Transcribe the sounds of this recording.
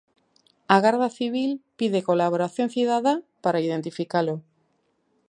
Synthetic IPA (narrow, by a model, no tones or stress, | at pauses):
aɣaɾðaθiβ̞ilpiðe̞ko̞laβ̞o̞ɾaθjo̞nθiðaðapaɾaiðe̞nt̪ifikalo